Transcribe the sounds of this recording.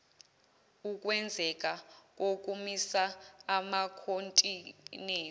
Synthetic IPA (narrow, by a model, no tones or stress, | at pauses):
uk̬ʼwɛnd͡zʱɛk̬ʼak̬ʼok̬ʼumisaːmakʰontʼineː